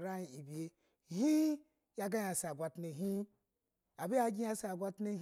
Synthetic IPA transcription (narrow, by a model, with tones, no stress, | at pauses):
ɾa˦ji˨i˨bi˨e˨ | hi˦ | ja˦ɡa˦ja˨sa˨ɡʷa˨tne˨ɦi˦ | a˨bi˦a˦ɡʲi˦a˧sa˨ɡʷa˦tne˦